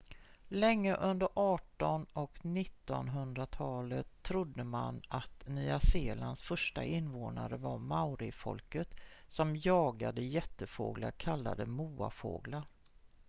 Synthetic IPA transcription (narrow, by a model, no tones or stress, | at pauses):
lɛŋːəʔɵnd̪əɾʔɑːʈɔnɔknɪt̪ːɔ̰nɦɵnd̪ɾat̪ʰɑːlət̪ʰːɾʊd̪ːəmanʔat̪nyːaseːlansfœʂʈaʔɪnvoːnaɾəvaɾmaʊɾɪfɔ̰lkət̪sɔmjɑːɡad̪əjɛt̪ːəfo̰ːɡlakʰalːa̰d̪əmuːa̰fo̰ːɡlaɾ